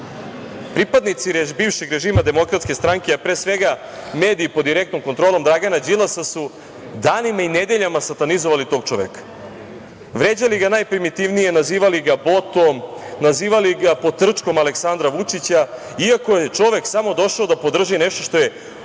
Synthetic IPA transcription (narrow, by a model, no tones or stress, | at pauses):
pɾipad̪nit̪siɾbiːvʃeɡɾe̞ʒiːmad̪e̞mo̞kɾat̪skʲe̞st̪ɾaŋkeapɾeːsʋe̞ɡa | me̞ːd̪iipod̪ːiɾe̞kt̪o̞mkont̪ɾolo̞md̪ɾaɡanad͡ʑilˠasasu | d̪aːnimained̪e̞ʎamasat̪anizoʋalit̪o̞ːɡ̚t͡ʂoʋḛkḁ | ʋɾe̞d͡ʑaliɡanaːjpɾimit̪iʋnije̞naziːʋaliɡabo̞t̪o̞mnaziːʋaliɡapot̪r̩t͡ʂko̞male̞ksand̪ɾaʋut͡ʂit͡ɕa | iako̞jet͡ʃo̞ʋe̞ksamo̞d̪o̞ʃaod̪apo̞d̪r̩ʒineʃt̪o̞ʃt̪o̞je̞